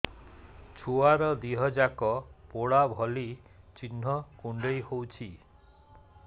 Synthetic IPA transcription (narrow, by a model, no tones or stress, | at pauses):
t͡ʃʰuaɾɔd̪iɦɔd͡ʒakɔpoɽabʱɔli | t͡ʃinɦɔkuɳɖejhowt͡ʃʰi